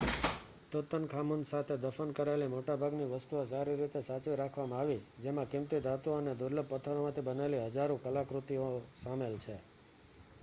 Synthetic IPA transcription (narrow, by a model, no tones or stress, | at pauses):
t̪ot̪ənkʰamunsat̪ʰed̪əfənkəɾaelimoʈabʱaɡniʋəst̪uosaɾiɾit̪esat͡ʃʋiɾakʰʋamãaʋid͡ʒemãkɪmt̪id̪at̪uəned̪ʊɾləb̚pət̪ʰəɾomãt̪ʰibənaeliɦəd͡ʒaɾũkəlakɾut̪iosamelt͡ʃʰe